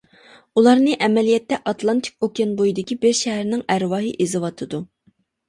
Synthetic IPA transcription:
ulˠɑɾnɨʔɛmɛlijɛt̪ːɛʔɑt̪lˠɑnt̪ʰɪ̥k̚ʲokʲɛnbojid̪ɪkʲibɪɾʃɛɦæɾnɪŋæɾwɑːɦɨʔezɨwɑt̪ʰɨd̪u

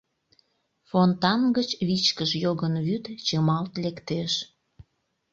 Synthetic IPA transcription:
font̪ɑnɡət͡ɕβit͡ɕkəʃjoɣənβyt̪t͡ɕəmɑlt̪lekt̪eʃ

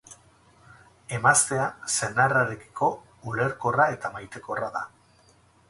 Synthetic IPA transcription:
e̞mast̪e̞ase̞naraɾeki̥ko̞ | ule̞ɾko̞rae̞t̪amajt̪e̞ko̞raða

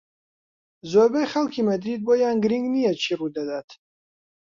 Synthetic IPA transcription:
zɔbɛjχalkʰimɐd̪ɾid̪̚bɔjaːnɡɾiŋɡnijɛt͡ʃʰirud̪ad̪aːt̪ʰ

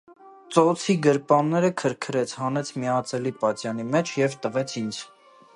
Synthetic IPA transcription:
t͡sɔt͡sʰiɡəɾpɑnːɛɾəkʰəɾkʰɾɛt͡sʰhɑnɛt͡sʰmiɑt͡sɛlipɑt͡ʃjɑnimɛt͡ʃʰjɛvt̪əvɛt͡sʰind͡z

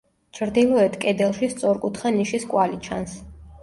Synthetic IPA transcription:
t͡ʃʰɾd̪ilˠɔɛt̪ʰkʼɛd̪ɛlˠʃist̪sʼɔɾkʼut̪ʰχaniʃiskʼwalit͡ʃʰa̰ns

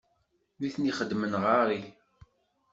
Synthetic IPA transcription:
niθniχəd̪ːmənʁaɾˤi

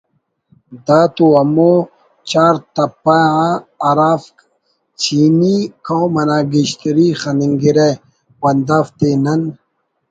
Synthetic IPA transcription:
d̪aːt̪uɐmo | t͡ɕaːɾt̪ɐpːaaɐɾaːfk | t͡ɕʰiːmikʰawmɐnaːɡiɕt̪iɾixɐniŋɡiɾe | wɐnd̪aft̪enɐn

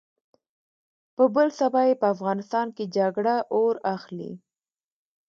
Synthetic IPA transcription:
pəbəlsabɑjepəafɣɑnɪst̪ɑnked͡ʒaɡɽaʔoɾaxlḭ

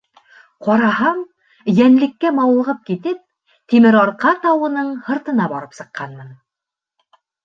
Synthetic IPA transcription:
qɒɾɑhɑm | jænlɘ̆kːæmɑwlˠɤ̆ʁɤp̚kit̪ɘp̚ | t̪imɘɾɑɾqɑt̪ɑwɤ̆nɤɴhɤ̆ɾt̪ɤ̆nɑbɒɾɤpsɤ̆qːɑnmɤn

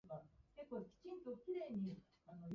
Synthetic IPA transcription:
akekːokʲi̥t͡ɕĩnt̪okʲiɾeːɲ̟i | ano̞j

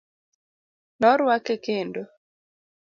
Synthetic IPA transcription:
nɔɾwakekendo

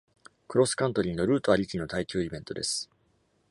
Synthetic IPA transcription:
kɯ̟ɾo̞sɨ̥kãnt̪o̞ɾʲĩno̞ɾɯ̟ːt̪o̞aɾʲikʲino̞t̪aikʲɨːibẽ̞nt̪o̞d̪e̞̰sɨ̥

